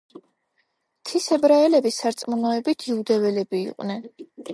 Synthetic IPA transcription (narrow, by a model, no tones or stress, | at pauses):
t̪ʰisɛbɾaɛlɛbisaɾt̪sʼmunɔɛbit̪ʰiud̪ɛvɛlɛbḭːqʼnɛn